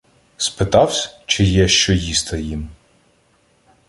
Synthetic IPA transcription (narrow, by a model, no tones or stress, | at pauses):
spɪt̪ɑwsʲt͡ʃɪjɛʃt͡ʃɔjist̪ɐjim